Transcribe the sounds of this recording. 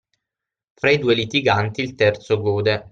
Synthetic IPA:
fɾaid̪uːelit̪iɡant̪iːlt̪ɛrt̪soɡoːd̪e

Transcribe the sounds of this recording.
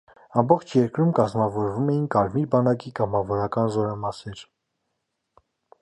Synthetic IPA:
ɑmbɔχt͡ʃʰjɛɾkɾumkɑzmɑvɔɾvumɛjinkɑɾmiɾbɑnɑkikɑmɑvɔɾɑkɑnzɔɾɑmɑsɛɾ

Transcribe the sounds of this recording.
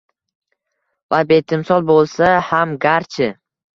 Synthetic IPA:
vabe̞t̪ʰɪmsɒlˠbolˠsahamɡʲaɾt͡ʃʰɪ

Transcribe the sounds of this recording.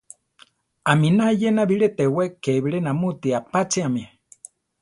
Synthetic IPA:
aminajenaβiɺet̪ewekeβiɺenamut̪iapat͡siami

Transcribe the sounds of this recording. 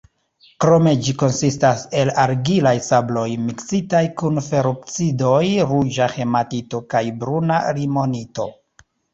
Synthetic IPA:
kɾo̞me̞d͡ʒiko̞nsistase̞laɾɡilajsablo̞jmiksitajkunfe̞ɾup̚t͡sido̞jɾud͡ʒaxe̞matito̞kajbɾunaɾimo̞nito̞̰

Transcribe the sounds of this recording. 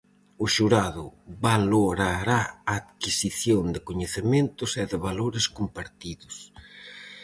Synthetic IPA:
ʊʃuɾaðʊβaloɾaɾaːðkisiθjond̪ɪkoɲeθɪmẽnt̪ʊsɛðɪβaloɾɪskompaɾt̪iðʊs

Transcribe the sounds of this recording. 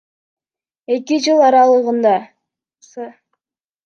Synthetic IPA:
e̞kid͡ʒɯlˠɑɾɑlˠɯʁɯnd̪ɑ | s

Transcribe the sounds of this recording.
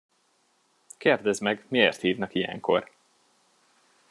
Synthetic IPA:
keːrd̪ɛzmɛɡmieːrt̪hiːvnɒkijɛ̰ŋkʰo̞̰r

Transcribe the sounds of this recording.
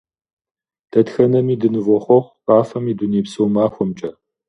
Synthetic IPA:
d̥ʰɐtxɐnɐmiːdɨnɨvɔχʷɔχʷqʼaːfɐmiːduniːpsɨwmaːxʷɔmt͡ʃʼɐ

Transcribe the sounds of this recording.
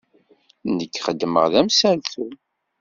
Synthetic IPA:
nəkːχəd̪ːmə̰ʁðæmsælθu

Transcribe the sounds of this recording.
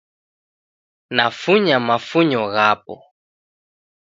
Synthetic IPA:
nafuɲamafuɲɔɣapɔ̰

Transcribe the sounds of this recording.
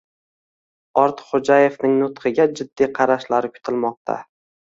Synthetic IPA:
ɒɾt̪χod͡ʒaje̞fnɪŋnʊt̪qʰɨɡʲad͡ʒɪd̪ːiqʰɑɾaʃlaɾɪkʰʊ̥t̪ʰɪlmɒq̚t̪ʰa̰

